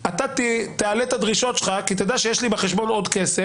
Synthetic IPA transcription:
at̪at̪t̪ealet̪ad̪ʁiʃo̞t̪t͡ʃχakit̪ed̪aʃejeʃlibeχeʃbo̞no̞d̪kese

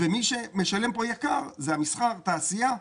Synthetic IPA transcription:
vemiʃe̞me̞ʃale̞mpo̞jakaʁzeamisχaʁt̪aːsija

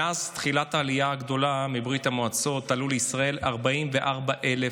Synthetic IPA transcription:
ast̪χilataːlijaːɡdo̞lamibʁit̪hamoat͡so̞t̪ːaluleisʁae̞laʁbaʔimveʔaʁbaʔele

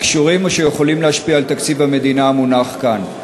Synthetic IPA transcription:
kʃuʁimoʃejeχo̞limlehaʃpiaːlt̪akt͡sibame̞d̪inaːmunaχkan

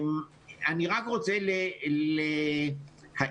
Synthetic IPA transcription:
m | aniʁakʁot͡selele | ha

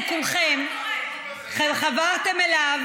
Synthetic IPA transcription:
kulχem | χχavaʁt̪emelav

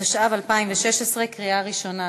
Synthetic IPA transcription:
aʃavalpaimveʃeʃesʁekʁiaʁiʃo̞na

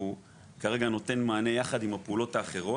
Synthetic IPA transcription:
u | kaʁe̞ɡano̞te̞nmaːne̞jaχadimhapeulo̞taːχe̞ʁo̞

